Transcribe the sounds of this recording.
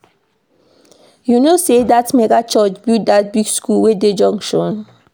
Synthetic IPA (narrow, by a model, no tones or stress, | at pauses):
junosedatmɛɡat͡ʃɔt͡ʃbitdat̚biɡskulweded͡ʒɔ̃ŋʃɔ̃n